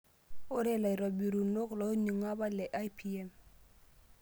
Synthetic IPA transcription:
ʊ˦ɾɛ˦la˨i˨ɾɔ˨bi˨ɾu˨no˦klɔ˨˦ɲi˨ŋa˦ba˦lɛ˨ʔa˦jpʰi˦ɛ˦m

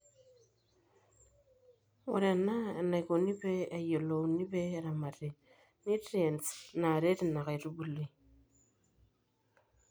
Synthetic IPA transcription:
o̰˨ɾe˨na˦˨na˨i˨ko˨ni˦βeː˦˨jo˨lo˨ni˦βe˦ɾa˨ma˨ɾe˨ | ni˦tie˨nsna˨ɾe˦ɾi˨na˨ɣa˨i˨ɾu˦βu˨li˦

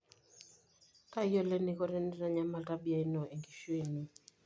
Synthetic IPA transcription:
ka˦jɔ˦lɛ˦ni˦kɔ˦ɾɛ˦ni˦ɾa˦ɲa˦ma˨lta˦bi˨a˨i˦nɔ˨e˨ŋɡi˨ʃwe˦˨ni˦

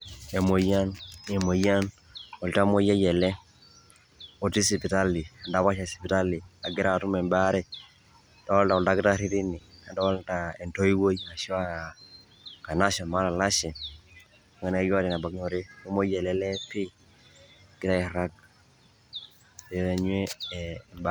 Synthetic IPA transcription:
ɛ˨mo˨ja˦nɛ˨mo˨ja˦n | ɔ˨lta˦mo˦ja˦jɛ˨lɛ˦ | o˨ti˦si˨pi˨ta˦li˨a˨nda˦βa˦ʃa˨si̥˨pi˨ta˦li˨a˨ɡɪ˦ɾa˦˨tu˦mɛ˨mba˦ɾɛ˦ | da˨˦ɔ˦lta˨ɔ˨lta˦kɪ˦ta˦ɾi˦ɾi˦ni˨a˨nda˦ɔ˦lta˨ɛ˨nto˦i˦wo˦ja˨ʃa˦ | ka˨na˦sɔ˨nma˦ɾa˨la˦ʃɛ˨ | a˨ŋɡa˨n˦a˦ja˦tɛ˨na˨ba˨kɲo˨ɾe˦o˦mo˦jɛ˨lɛ˦lɛ˦pi˦ | ɡɪta˦ɛ˨ɾa˦k̚ | ɛɛ˨ɲwe˦˨mb

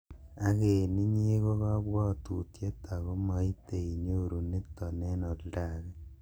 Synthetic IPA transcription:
a˦ɣe˨ni˦ɲe˦ɣo˦ɣa˦βwa˦˨tu˨tje˦ta˨ɣo˦ma˦i˦te˨i˨ɲo˦˨ɾu˨ne˦tːɔ˨ne˦no˨lda˨ɣe˦

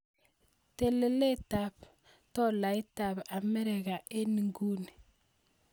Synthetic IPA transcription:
te˨le˨le˦ta˨p | tɔ˦la˨i˦ta˨ba˨me˦ɾe˨ɡa˨ʔe˦ni˨ŋɡu˦ni˨

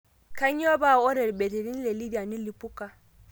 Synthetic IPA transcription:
ka˦ɲjo˦ba˦˨ɔ˦ɾɛ˨ɾbe˨te˨ɾi˦n˦le˨li˦da˨ni˦li˨pu˦ka˨

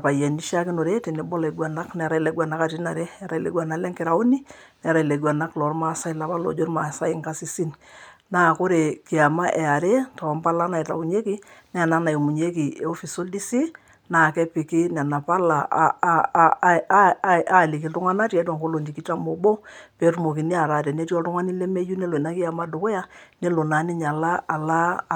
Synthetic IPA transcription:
pa˨jɛ˨ni˦ʃa˦kɪ˦no˨ɾe˦te˨ne˨bɔ˦le˨ɡwa˨na˦knɛ˨ɾa˦i˦le˨˦ɡa˨na˦ka˨ti˦na˨ɾe˦ɛ˨˦ɾa˨i˨lḛ˨˦ɡwa˨na˨˦lɛ˦ŋkɪ˨ɾa˨u˦ni˦nɛ˨ɾa˨i˨le˨ɡwa˨na˦klɔ˨˦ɾma˦sa˦i˦la˨pa˦lo̰˨d͡ʒo˦ɾma˨sa˦i˦ŋka˦si˨si˦nnaː˨˦˨kʊ˦ɾe˨ki˨a˨ma˦ʔɛ˨a˨ɾe˦ta˨a˨mpa˦la˦na˨i˨ta̰˨u˨ɲe˦ki˦nɛ˦a˨na˦na˨jmu˨ɲe˦ki˨ḛ˨o˦fi˨so˦ldi˦si˦ | na˨kɛ˦pi˨ki˦nɛ˨na˨pa˦la˨ | a˦˨li˨k̬i˨ltʊ˦ŋa˦na˦ti˦a˦tɔ˨ŋko˦lo˨nd͡ʒi˨ki˦ta˦mo˨bo˦pɛ˨˦tu˦mo˨ki˨ni˦a˨ɾa˨tɛ˨ne˦ti˦ɔ˦ltʊ˦ŋa˦ni˦lɛ˦me˦ju˦nɛ˦lo˨i˨na˦ki˦a˨ma˦do˨ko˦ja˦ne˦lo˨na˨˦ni˦ɲa˨la˦a˨la˦˨

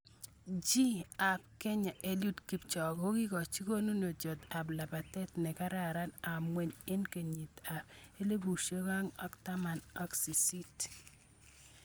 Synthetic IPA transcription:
d͡ʒi˦a˨p̚kɛ˦ɲa˨ʔe˨lju˦tki˨pt͡ʃɔ˨ko˦ki˦kɔ˨t͡ʃi˦ko˦nu˦no˨d͡ʒo˨ta˨pla˨pa˨tɛ˦tnɛ˨ka˦ɾa˨ɾa˦na˨mwe˨ɲɪ˦nke˨ɲi˨ta˨pe˦le˦bu˨ʃe˦ka˦ŋɔ̰˦kta˦ma˨nɔ˦ksi˨si˦t

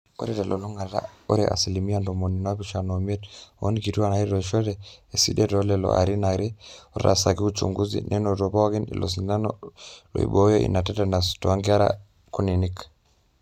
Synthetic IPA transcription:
o̰˦ɾɛ˦ta˨lʔo˨lo˦ŋa˨ɾa̰˦o˦ɾɛʔa̰˨sili˨mi˦ando˨mo˨ni˨n˦a˦pi˨ʃa˨nomi˦e˦to˦niki˨tu˦a˦˨na˨i˦ɾɔ˨ʃɔ˦ɾɛː˨sḭ˦detɔlɛlɔ̰ʔa̰˨ɾi˦na˨ɾɛ˦o˦ɾa˨sa˨ki˦u˦t͡ʃṵ˨ŋɡu˦zḭ˨nʔɛ˦no˨to˨pa˦wa˦ki˦nḭ˨lo̰˨s̬ina˦nɔlo̰˨ḭ˨ɓo˨˦jɔ˦ʔḭ˨na˨tɛ˦ta˨na˨stɔ˨aŋɡa˦ɾa̰ | ku˦ni˨nik

